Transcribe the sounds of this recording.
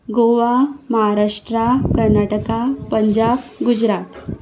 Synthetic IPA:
ɡoʋaməɦaɾaʂʈɾakəɾnaʈəkapəɲd͡ʑabɡud͡ʑɾat̪

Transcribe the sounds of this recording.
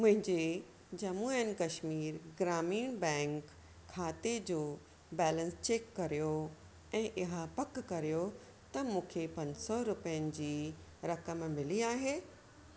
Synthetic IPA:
mʊ̃ɦɪ̃ɲd͡ʑe | d͡ʑɐmuːənɪ̆kɐʃmiːɾɡɾaːmiːnbɛ̃ːŋkʰː | aːt̪ed͡ʑoː | bɛːlə̃nst͡ɕeːkːɐɾijo | ɛ̃ːʔɪɦapɐkːɐɾijo | t̪ɐmũːkʰepɐ̃ɲsɔɾʊpəjənɪ̆d͡ʑiːɾɐkəmmɪliaːɦeː

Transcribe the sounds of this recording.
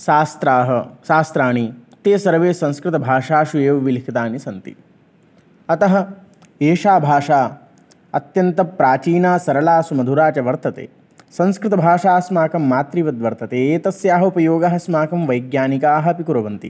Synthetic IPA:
ʃaːst̪ɾaːɦɐʃaːst̪ɾaːɳ̃it̪eːsɐɾʋeːsɐ̃ñskɾɪt̪ɐbʱaːʂaːʃueːʋɐʋilikʰɐt̪aːnisɐnt̪ḭ | ɐt̪ɐɦɐ̆ | eːʂaːbʱaːʂaː | ɐ̰t̪jɐnt̪ɐpɾaːt͡ʃiːnaːsɐɾɐlaːsumɐd̪ʱuɾaːt͡ʃɐʋɐɾt̪ɐt̪ḛː | sɐ̃nskɾɪt̪ɐbʱaːʂaːsmaːkɐmːaːt̪ɾiʋɐd̪ʋɐɾt̪ɐt̪eːeːt̪ɐsjaːɦɐupɐjoːɡɐɦɐ̆smaːkɐmʋɐjɡjaːnikaːɦɐ̆pikuɾɐʋɐnt̪ḭ

